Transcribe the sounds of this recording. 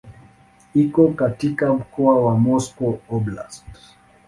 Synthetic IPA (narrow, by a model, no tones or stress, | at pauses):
ikɔkatikam̩kɔawamɔskɔɔbla̰st